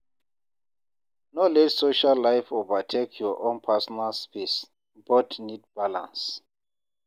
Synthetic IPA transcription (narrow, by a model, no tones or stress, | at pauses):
nolɛtsoʃalːajfovatʰekʰjɔʔõnpʰasɔnalspis | bɔtnid̚b̥alã̰ns